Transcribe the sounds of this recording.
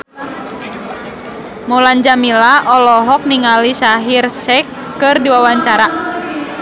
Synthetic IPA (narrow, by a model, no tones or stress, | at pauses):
muland͡ʒamilaʔɔlɔɦɔk̚niŋalisaɦirsɛkː | ɨrdiwawaɲt͡ʃaɾa